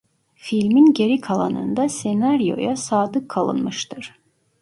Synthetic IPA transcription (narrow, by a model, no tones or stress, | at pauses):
filʲminɟe̞ɾikʰalˠa̰nɯ̰nd̪asenaɾijo̞̰jasaːd̪ɯkʰːalˠɯ̰nmɯʃt̪ʰɯɾ̥